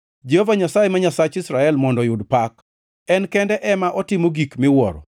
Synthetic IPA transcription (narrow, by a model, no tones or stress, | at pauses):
d͡ʒehovaɲasajemaɲasat͡ʃɪsɾaɛlmɔndɔjʊdpak | ɛnkɛndɛʔɛmaʔɔtɪmoɡikmɪwɔ̰ɾɔ̰